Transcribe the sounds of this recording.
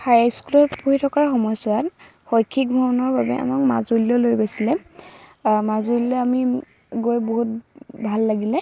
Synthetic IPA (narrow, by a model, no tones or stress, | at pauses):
hajajskulɔtpuɹitʰɔkaɹxɔmɔjsʊat | xɔjkʰːik̚bʱɔɔnɔɹbabɛ̰ʔa̰makma̰zuliɔlojbajsilɛ | mazuliɔamiɡojboɦut̚ | bʱalːaɡilɛ